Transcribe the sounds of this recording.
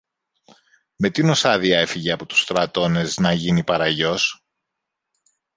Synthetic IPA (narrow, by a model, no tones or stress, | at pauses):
me̞t̪ino̞sɐðiɐe̞fiʝeɐpo̞t̪u̥st̪ɾɐt̪o̞ne̞znɐʝinipɐɾɐʝo̞s